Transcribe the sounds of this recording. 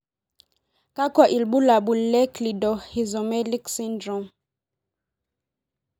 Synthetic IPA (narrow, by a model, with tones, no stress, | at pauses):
ka˦ka˨ʔi˨lbu˦la˨bu˨lɛ˦kli˨dɔ˨hi˨zo˨mɛ˦li˦ksi˦ndɾɔ˨˦m